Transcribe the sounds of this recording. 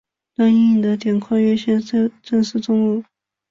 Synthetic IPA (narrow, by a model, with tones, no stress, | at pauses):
t̪wa˥n˥i˥˩d̪ə˦t̪jɛ˨˩nkʰwa˥˩ɪɥɛ˥ɕjɛ˥˧n˥ʈ͡ʂə˥˧ŋʂ̩˥˩ʈ͡ʂʊ˥ŋu˥˩